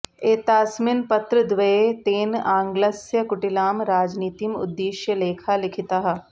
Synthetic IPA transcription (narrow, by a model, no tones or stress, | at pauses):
eːt̪aːsmɪnpɐt̪ɾəd̪ʋɐet̪eːnãːŋɡlɐsjəkʊʈɪlaːmɾaːd͡ʒniːt̪imʊ̰d̪ːiːʃjəleːkʰalɪkʰɪt̪aɦɐ